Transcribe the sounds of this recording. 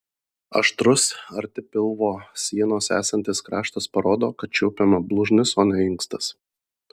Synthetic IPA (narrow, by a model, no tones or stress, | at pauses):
ɐ̰ʃt̪ɾʊsɐɾʲt̪ʲɪpʲɪlˠʋoːsʲiɛnoːsæ̰ːsɐnʲt̪ʲɪskɾɑːʃt̪ɐspɐɾoːd̪oːkɐt̪̚t͡ʃʲɛʊpʲɛmɐblˠʊʒʲnʲɪsoːnʲɛɪŋkst̪ɐs